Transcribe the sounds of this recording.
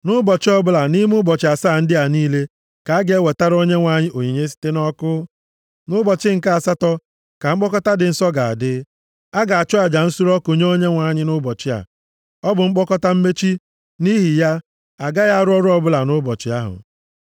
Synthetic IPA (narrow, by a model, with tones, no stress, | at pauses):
nʊ˦bɔ˨t͡ʃɪ˦ɔ˦bʊ˦la˨ni˦m˦ʊ˦bɔ˨t͡ʃɪ˨a˨saː˦˨n̩˦dɪ˦a˨niː˦le˦ | ka˨a˦ɡe˦e˦we˨ta˦ɾo˦ɲe˦ŋʷa˨ɲɪ˦ʔo˨ɲi˨ɲe˦s̬i̥˦te˦nɔ˦kʊ˦ | nʊ˦bɔ˨t͡ʃɪ˦ŋ̩˨ka˦a˨sa˦tɔ˦ | ka˨ŋ͡m̩˦k͡pɔ˦kɔ˦ta˦dɪ˨n̩˦sɔ˦ɡa˨a̰˨dɪ˦ | a˦ɡa˨a˨t͡ʃɔ˦a˨d͡ʒa˨n̩˦su˦ɾɔ˦ko˨ɲ˦o˦ɲe˦ŋʷa˨ɲɪ˦nʊ˦bɔ˨t͡ʃɪ˦a̰˨ | ɔ˦bʊ˨ŋ͡m̩˦k͡pɔ˦kɔ˦ta˦m̩˦me˦t͡ʃi˦ | ni˦ɦi˨ja˦ | a˨ɡa˦ja˦a˦˨ɾʊ˦ɔ˦ɾʊ˦ɔ˦bʊ˦la˨nʊ˦bɔ˨t͡ʃɪ˨a˦ɦʊ̰˨